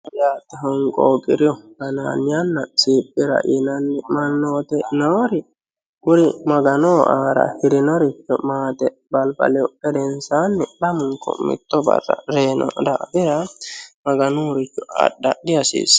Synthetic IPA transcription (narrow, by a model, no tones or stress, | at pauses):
jaːt̪ːɛɦɔŋkʼoːkʼɪɾɪjɔɡɐna̰ːnɪjanːɐsiːpʼːɪɾɐ̰ʔɪnɐnːɛmɐnːoːt̪ɛnoːɾɪ | ɡʊɾɪmɐɡɐnoːʔaːɾɐ̰hɪɾɪnɔɾɪt͡ʃːɔmaːt̪ɛ | bɐlbɐ̰lɛɔɛd̪ɛnsaːnːɛlɐmʊŋkːɔ̰mɪ̰t̪ːɔbɐ̰rːɐ̰ɾeːnɔ̰d̪a̰ʔbɪɾɐmɐɡɐnuːɾɪt͡ʃːɔɐ̰ɗːɐ̰ɗɪɐsḭːs